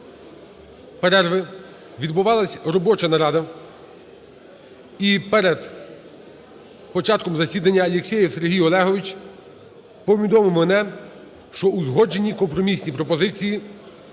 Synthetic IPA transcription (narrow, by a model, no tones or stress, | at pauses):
peɾɛrʋɪ | ʋʲid̪bʊʋɑlˠɐsʲɾɔbɔt͡ʃɐnɐɾɑd̪ɐ | ipɛɾed̪ | pɔt͡ʃɑt̪̚kɔmzɐsʲid̪ɐnʲːɐːlʲeksʲɛjiwse̞ɾɦʲijɔlˠɛɦɔʋɪt͡ʃ | pɔʋʲid̪ɔmɪwmɛnɛ | ʃt͡ʃɔuzɦɔd͡ʒe̞nʲikɔmpɾɔmʲisʲnʲipɾɔpɔzɪt͡sʲiji